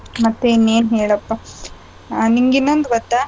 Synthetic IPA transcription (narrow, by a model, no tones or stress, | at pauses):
mɐt̪ːeinːeːnɦeːɭɐpːa | niŋɡinːond̪ɡɐt̪ːa